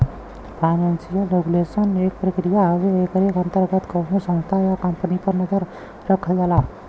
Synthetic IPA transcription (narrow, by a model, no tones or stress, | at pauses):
pʰaɪnansijəlɾeɡulesənek̚pɾəkɾijaɦəʋeekəɾekə̃nt̪əɾɡət̪kənosə̃ñst̪ʰajakəmpnipəɾnəd͡ʒəɾ | ɾəkʰəld͡ʒala